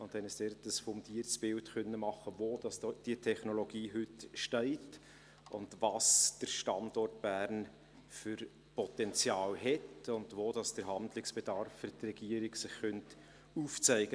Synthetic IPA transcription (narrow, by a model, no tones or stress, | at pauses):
ʊntɛnəsd̥ɛɾtəsfɔmtiːəɾt͡sb̥ɪltkœnːəmɑχːəvoːd̥ɑsd̥iətʰɛχnoloɡiːɦʏtʃtɛɪt | ʊ̰ndvɑsd̥əɾʃtɑndɔrtb̥æːɾn | fʏɾ | pʰɔtɛnt͡sjɑːlɦɛtʊndvoːdɑsd̥əɾɦɑndlɪksb̥ɛd̥ɑɾfːʏɾtrɛɡ̥iəɾɪɡsɪχːœnt | uːft͡sæɪɡə